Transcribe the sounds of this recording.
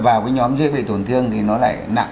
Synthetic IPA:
vaː˨˩wkaː˨˦jɲɔ˨˦mzɨ̰˧˥əjɓḛ˧˨˩t̪o˧˩nt̪ʰɨ˧əŋt̪ʰi˨˩nɔ˨˦la̰ː˧˩jna̰˧˨

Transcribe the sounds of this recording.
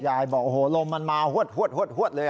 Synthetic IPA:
jaː˧˩jbɔː˨˩k̚ʔo˧hoː˨˦lo˧mːa˧nmaː˧hu˦˥˩ət̪̚hu˧˥ət̪̚hət̪̚hu˧˥˩t̪̚lɤː˧

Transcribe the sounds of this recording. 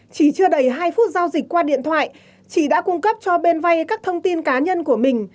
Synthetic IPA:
t͡ɕi˧˩t͡ɕɨ˧əɗə˨˩jɦaː˧jfu˦˥t̚zaː˧wzï˨˩k̟̚kwaː˧ɗḭ˧˨ənt̪ʰwa̰ː˧˨j | t͡ɕi˧˩ɗa̰ː˧˥kʊ˧ŋ͡mkə˦˥p̚t͡ɕɔ˧ɓe˧nva˧jkaː˦˥k̚t̪ʰə˧wŋ͡mt̪i˧nkaː˨˦ɲə˧nku˧˩əmï˨˩ŋ̟

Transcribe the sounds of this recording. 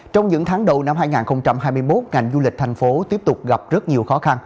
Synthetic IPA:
t͡ɕɔ˧wŋ͡mɲɨ̰˧˥ŋt̪ʰaː˨˦ŋɗə˨˩wna˧mɦaː˧jŋaː˨˩nxə˧wŋ͡mt͡ɕa˧mɦaː˧jmɨ˧əjmo˦˥t̚ŋa˨˩jŋ̟zu˧lï˨˩k̟̚t̪ʰa˨˩ŋ̟fo˨˦t̪i˦˥əp̚t̪ʊ˨˩k͡p̚ɣa˨˩p̚zə˦˥t̚ɲi˨˩əwxɔ˨˦xa˧n

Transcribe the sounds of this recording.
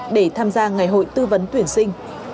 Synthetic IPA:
ɗe˧˩t̪ʰaː˧mzaː˧ŋa˨˩jɦo̰˧˨jt̪ɨ˧və˨˦nt̪wi˧˩ənsï˧ŋ̟

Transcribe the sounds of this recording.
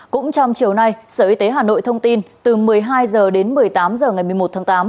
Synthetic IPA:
kʊ̰˧˥ŋ͡mt͡ɕɔ˧wŋ͡mt͡ɕi˨˩əwna˧jsəː˧˩ʔi˧t̪e˨˦ɦaː˨˩no̰˧˨jt̪ʰə˧wŋ͡mt̪i˧nt̪ɨ˨˩mɨ˨˩əjɦaː˧jzəː˨˩ɗe˨˦nmɨ˨˩əjt̪aː˨˦mzəː˨˩ŋa˨˩jmɨ˨˩əmo˨˩t̚t̪ʰːŋt̪aː˨˦m

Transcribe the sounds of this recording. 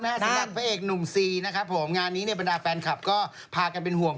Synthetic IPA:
naː˦˥˩sɾa˨˩t̪̚pʰa˦˥ʔeː˨˩k̚nu˨˩msiː˨˩na˦˥kʰɾa˦˥pʰːo˩˦mŋaː˧nːiː˦˥ni˥˩ba˧ndaː˧fɛː˧nkʰa˨˩p̚kɔː˥˩ | pʰaː˧ka˧np̬e˧nhu˨˩əŋ

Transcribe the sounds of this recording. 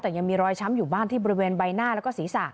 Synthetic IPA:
t̪ɛː˨˩ja˧ŋmiː˧ɾɔː˧jt͡ɕʰa˦˥mjuː˨˩baː˥˩nt̪iː˥˩ɔ˧ɾi˦˥weː˧nba˧jnaː˥˩lɛ˦˥wkɔː˥˩siː˩˦saː˨˩k̚

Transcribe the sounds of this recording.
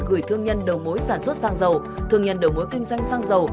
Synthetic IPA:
ɣɨ˧˩əjt̪ʰɨ˧əŋɲə˧nɗə˨˩wmo˨˦jsaː˧˩nswə˦˥t̚saː˧ŋzə˨˩w | t̪ʰɨ˨˩əŋɲə̰˨˩nɗə˨˩wmo˨˦jkï˧ŋ̟zwa˧jŋ̟saː˧ŋzə˨˩w

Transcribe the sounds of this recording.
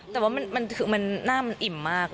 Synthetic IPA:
t̪ɛː˨˩waː˦˥˩ma˧nma˧nkʰɯː˨˦ma˧nːaː˥˩mːa˧nʔi˨˩mːaː˥˩k̚

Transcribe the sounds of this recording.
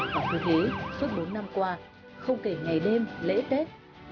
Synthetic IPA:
a˨˩vu˨˧˩t̪e˨˦su˦˥ət̚ɓo˨˦nːa˧mkwaː˧ | xə˧wŋ͡mke˨˩ŋa˨˩jɗe˧mlḛ˧˥t̪e˦˥t̚

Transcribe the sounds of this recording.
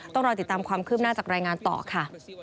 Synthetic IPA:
t̪ɔ˥˩ŋɾɔː˧t̪i˨˩t̪ːaː˧mkʰwaː˧mkʰɯː˥˩p̚naː˥˩t͡ɕaː˨˩kɾaː˧jŋaː˧nt̪ɔ̰ː˨˩kʰa˥˩

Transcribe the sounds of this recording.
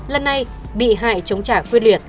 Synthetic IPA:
lə˧nːa˧j | ɓḭ˧˨ɦa̰ː˧˨jt͡ɕə˨˦wŋ͡mt͡ɕaː˧˩kwi˧nlwi˨˩ət̚

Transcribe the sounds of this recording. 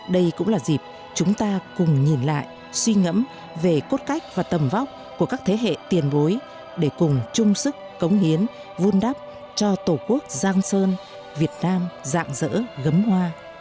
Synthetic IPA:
ɗə˧jkʊ̰˧˥ŋ͡mlaː˨˩zi˨˩p̚ | t͡ɕʊ˨˦ŋ͡mt̪aː˧kʊ˨˩ŋ͡mɲi˨˩nla̰ː˧˨j | swi˧ŋə̰˧˥m | ve˨˩ko˦˥t̚ka˦˥jk̟̚vaː˨˩t̪ə˨˩mva˦˥k͡p̚ku˧˩əkaː˦˥k̚t̪ʰe˨˦ɦḛ˧˨t̪i˨˩ənɓo˨˦j | ɗe˧˩kʊ˨˩ŋ͡mt͡ɕʊ˧ŋ͡msɨ˦˥k̚ːə˨˦wŋ͡mhi˨˦ən | vu˧nɗa˦˥p̚ | t͡ɕɔ˧t̪o˧˩ku˦˥ək̚zaː˧ŋsəː˧n | vi˨˩ət̚naː˧mza̰ː˧˨ŋzə̰ː˧˥ɣə˨˦mhwaː˧

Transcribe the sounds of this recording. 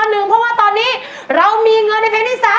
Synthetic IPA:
nːɯ˨˩˦ŋpʰɔ˦˥˩waː˥˩t̪ɔː˧nːiː˦˥ | ɾa˧wmiː˧ŋɤ˧nːa˧jpʰaː˧nt̪ʰiː˥˩saː˨˦

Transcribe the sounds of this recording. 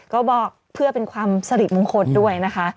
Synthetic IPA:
kɔː˥˩bɔː˨˩k̚ | pʰɯ˥˩ɐpe˧nkʰwaː˧msa˧ɾi˨˩mo˧ŋkʰo˧ndu˥˩əjna˦˥kʰa˦˥ʔ

